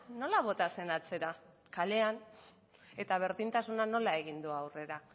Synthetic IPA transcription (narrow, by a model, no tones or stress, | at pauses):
no̞laβ̞o̞t̪ase̞nat͡se̞ɾa | kale̞an | e̞t̪aβ̞e̞ɾðint̪asunano̞lae̞ɣ̞ind̪uawre̞ɾa